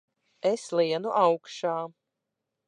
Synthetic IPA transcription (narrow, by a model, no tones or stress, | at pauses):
eslˠiɛnuʔawkʃaː